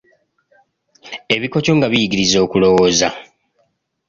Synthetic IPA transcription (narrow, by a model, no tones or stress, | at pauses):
e̞βiko̞co̞ŋɡaβijiɡiɾizo̞ːkulo̞woːza